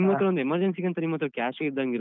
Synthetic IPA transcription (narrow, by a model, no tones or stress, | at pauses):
mɡot̪ːɾɐʋond̪emɐɾd͡ʒensiɡɐnt̪ɐnimːɐːt̪ːɾɐkʲaːsɡeid̪aŋɡiɾo